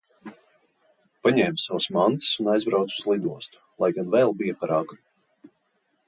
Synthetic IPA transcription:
paɲɛːmsawsmant̪ɨ̥sunajzbɾawt̪suzlˠid̪uɔst̪u̥lˠajɡanvɛːlˠbijapaɾaɡɾu

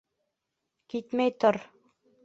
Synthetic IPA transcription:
kit̪mæjt̪oɾ

